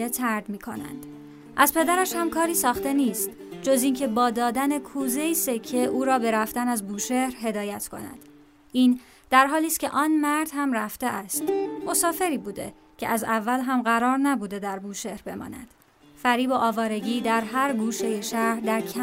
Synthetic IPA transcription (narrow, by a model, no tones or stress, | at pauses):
et̪ʰæɾd̪miːkʰo̞̰næ̰nd̪̥ | ʔæzpʰe̞d̪æɾæʃhæmkʰɒːɾiːsɒːxt̪e̞niːst̪ | d͡ʒo̞ziːncʰe̞bɒːd̪ɒːd̪æne̞kʰuːzeiːsecʰeʔuːɾɒːbe̞ɾæft̪ænæzbuːʃe̞ɾɦe̞d̪ɒːjæt̪ʰkʰo̞̰næ̰d̪̥ | ʔiːn | d̪̥æɾɦɒːliːst̪kcʰe̞ʔɒːnmæɾd̪hæmræft̪eʔæst̪mo̞sɒːfe̞ɾiːbuːd̪e̞̰ | cʰe̞̰ʔæzævːælɦæmɣæɾɒːɾnæbuːd̪e̞d̪æɾbuːʃe̞ɾbe̞mɒ̰ːnæ̰d̪̥ | fæɾiːbo̞ʔɒːvɒːɾe̞ɟiːd̪æɾɦæɾɡuːʃe̞jeʃæɾd̪æɾcʰæ